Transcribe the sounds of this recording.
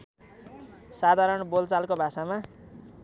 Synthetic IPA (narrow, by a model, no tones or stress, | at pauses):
sad̪ʱaɾʌɳbolt͡salkobʱasama